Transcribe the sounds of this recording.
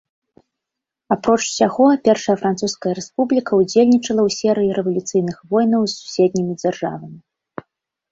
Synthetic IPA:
apɾɔt͡ʂsʲaɣɔpʲɛrʂɐjɐfɾant̪suskɐjɐɾɛspublʲikɐud͡zʲelʲnʲit͡ʂɐlˠɐwsʲɛɾɨjiɾɛvɐlʲut̪sɨjnɨxvɔjnɐwsːu̥sʲɛd̪̚ʲnʲimʲid͡zʲarʐa̰vɐmʲi

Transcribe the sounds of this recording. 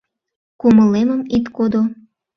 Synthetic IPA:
kuməleməmit̪kod̪o

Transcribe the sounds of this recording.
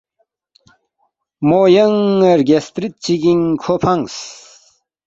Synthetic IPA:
mojəŋeɾɡʲest̪ɾit̪̚t͡ɕiɡiŋkʰopʰaŋs

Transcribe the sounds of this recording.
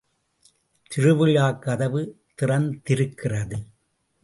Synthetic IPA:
t̪ɪrɯʋɯɻaːkːɐðɐʋɯ | t̪ɪrɐnt̪ɪɾɯkːɪrɐðɯ

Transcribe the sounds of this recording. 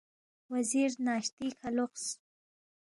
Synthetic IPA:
waziɾnɑʃt̪ikʰalʊqs

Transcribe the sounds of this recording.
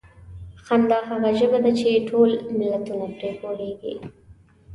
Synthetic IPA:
xand̪ɑxaɣaʒəbad̪at͡ʃeʈʰolmɪlːat̪unapɾekoleɡḭ

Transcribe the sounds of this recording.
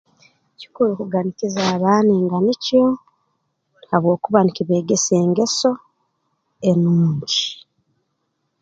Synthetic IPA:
ci̥kulukuɡanikizaːβaːneːŋɡanico | aβwo̞ːkuβanikiβe̞ːɡese̞ːŋɡe̞so̞ | enuːɲɟi

